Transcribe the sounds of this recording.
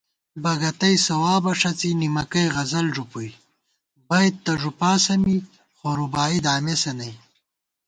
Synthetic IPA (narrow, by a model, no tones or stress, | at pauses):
bɐɡɐt̪ɐjsɐwaːbɐʂɐt͡sinimɐkɐjɣɐzɐlʐupuj | bajd̪̚t̪ɐʐupaːsɐmi | xoɾubaːid̪aːmesɐnɐj